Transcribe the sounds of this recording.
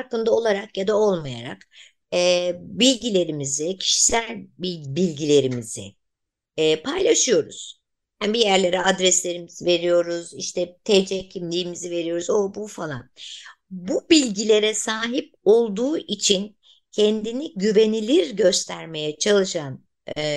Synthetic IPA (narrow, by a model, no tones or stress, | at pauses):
aɾkɯnd̪ao̞lˠaɾakjad̪ao̞lˠmaja̰ɾa̰kː | bilʲɟilʲe̞ɾimizɪcʰi̥ʃi̥sælʲbibilʲɟilʲe̞ɾimizɪ̰ː | pʰajlˠaʃɯjo̞ɾṵz̥ | hanbijæɾlʲe̞ɾɛad̪ɾɛslʲe̞ɾimiz̥ive̞ɾijo̞ɾuziʃt̪ʰɛt̪ʰed͡ʒɛcʰimlʲiːmizive̞ɾijo̞ɾuzobufalˠa̰n | bubilʲɟilʲe̞ɾɛsaːɦip̚o̞lˠd̪uːʔit͡ʃʰin | cʰɛnd̪iniɟyve̞nilʲiɾɟø̞st̪ʰæɾme̞jɛt͡ʃʰalˠɯʃan